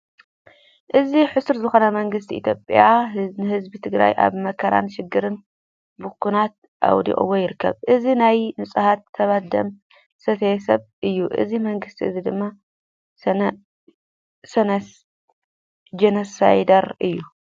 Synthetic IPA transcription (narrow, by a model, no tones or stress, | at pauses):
ʔɨziħʊsɨɾzɨxo̞nɐmɐŋɡɨs̬t̪ʰiʔḭt̪ʰjopʼjanɨhɨzbit̪ʰɨɡɾa̰jʔa̰βmɐkʰɐɾa̰nʃɪɡɨɾɨn | bukʰːunat̪̚ | ʔa̰wd̪ḭʔʼɐ̰wojɪɾɨkʰːɐ̰βʔɨzinajnɨsʼɨhat̪ʰːɐβad̪ɐ̰m | sɐt̪ʰɐjɛsɐβʔɨjːuʔɨ̰zimɐŋɡɨst̪ʰiɨzid̪ɨmːa | sɐn | d͡ʒenɐsajd̪ɐɾɨjːu